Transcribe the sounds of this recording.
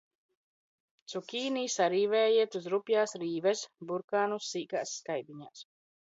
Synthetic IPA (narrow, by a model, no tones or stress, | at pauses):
t̪sukʲiːniːsaɾiːvɛːjiɛt̪uzɾupjaːsɾiːvɛsbuɾkaːnusiːɡa̰ːsːkajd̪iɲa̰ːs